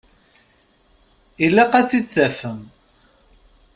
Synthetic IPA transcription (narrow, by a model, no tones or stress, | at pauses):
ilːæqæt͡sːit͡sːæfəm